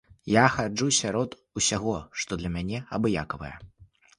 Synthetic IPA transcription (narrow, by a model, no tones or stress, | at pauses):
jaxad͡ʐusʲaɾɔt̪ | usʲaɣɔʂt̪ɔd̪lʲɐmʲanʲɛɐbɨja̰kɐvɐ̰jɛ̰